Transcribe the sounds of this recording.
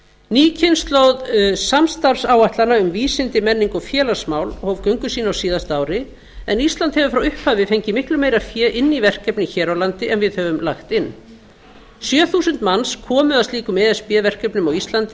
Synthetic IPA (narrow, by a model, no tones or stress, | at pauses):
niːcʰɪnst̪lowðsamst̪aɾsaːwaht̪lanaʏmviːsɪnt̪ɪmɛnːiŋkɔfjɛːlasmaːwlɔhɔvkœɥŋkʏsiːnaawsiːðast̪aːwɾɪ | ɛ̰nist̪lant̪hɛvʏfɾawʏhphaːvɪfejɲcɪmɪhklʏmeːjɾafjɛːʔɪnːivɛr̥kɛpnɪçɛːɾawlant̪ɪʔɛnvɪðhœvʏmlaxt̪ɪnː | sjœːθusʏnt̪manskʰɔːmʏðaðst̪iːkʏmɛːðɛspjɛːvɛr̥kɛpnʏmawist̪lant̪ɪ